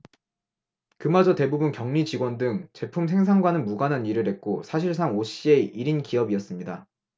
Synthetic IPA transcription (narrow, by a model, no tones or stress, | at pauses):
kɯmad͡ʑʌte̞bubunkjʌŋɲit͡ɕiɡwʌndɯŋt͡ɕe̞pʰumsʰe̞ŋs̬ʰaŋɡwanɯnmuɡananiɾɯɭɦe̞t̚k͈osʰaɕ̬ʰiɭs̬ʰaŋoɕ͈ie̞iɾinkiʌbiʌs͈ɯmɲida